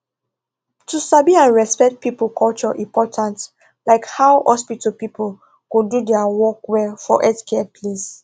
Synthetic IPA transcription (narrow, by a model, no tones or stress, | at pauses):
tusabiãnɹɛspɛk̚t̚pipəkʰɔlt͡ʃɔʔĩmpʰɔtʰãnt | laɪkhawhɔspitɔpipul | kududɛawɔkwɛfɔ̰ʔɛskɛpʰles